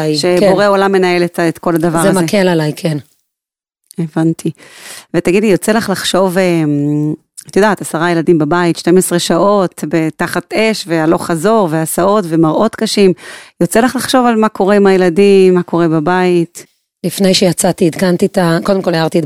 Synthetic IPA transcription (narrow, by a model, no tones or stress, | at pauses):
jʃebo̞ʁeo̞lamːe̞nae̞letaet̪ko̞lad̪avaʁzeazmaekʰelalajkʰen | evant̪ʰivet̪aɡid̪lijo̞t͡selaχlaχʃo̞vem | at̪jod̪aːt̪asaʁaje̞ladimbabaitʃte̞mesʁe̞ʃaʔo̞tbe̞taχat̪e̞ʃve̞alo̞χazo̞ʁveasao̞tve̞maʁʔo̞t̪kaʃimjo̞t͡selaχlaχʃo̞valmako̞ʁeimajeladimːako̞ʁe̞babait | lifnejʃejat͡sat̪iid̪kant̪it̪ako̞d̪emkolejaʁt̪id